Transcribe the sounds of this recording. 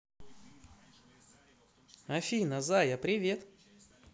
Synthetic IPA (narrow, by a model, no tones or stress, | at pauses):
ɐfʲinəzajapɾʲɪvʲe̞t̪